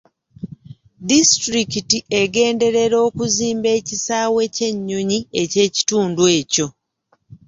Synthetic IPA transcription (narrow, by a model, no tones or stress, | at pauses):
distɾikitiʔeɡe̞ːnde̞ɾe̞ɾo̞ːkuziːmbe̞ːcisaːwe̞ce̞ɲːo̞ɲie̞ce̞ːci̥tuːnduwe̞ːco̞